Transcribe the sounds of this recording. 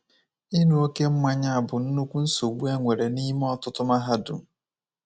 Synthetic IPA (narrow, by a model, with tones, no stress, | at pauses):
ɪ˦nu˨o˦ke˦m̩˦ma˦ɲa˦a˨bʊ˨n̩˦nu˦kʷu˦n̩˦so˨ɡ͡bu˦e˦ŋʷe˨ɾe˨ni˦m˦ɔ˦tʊ˦tʊ˦ma˦ɦa˦dʊ̰˨